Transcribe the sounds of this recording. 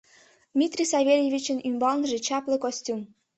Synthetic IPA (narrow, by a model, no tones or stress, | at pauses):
d̪mʲit̪rʲisɑvʲelʲjevʲit͡ɕə̆nymbɑlˠnʐĕt͡ɕɑplˠɤ̆kosʲtʲum